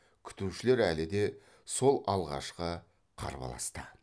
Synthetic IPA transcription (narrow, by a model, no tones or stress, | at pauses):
kʲʰʏ̥t̪ɪɾuʃɪle̞ɾælɪd̪e̞ | so̞lˠɑlˠʁɑ̰ʃqə | qʰɑ̰ɾbɑ̰lˠɑ̰st̪ə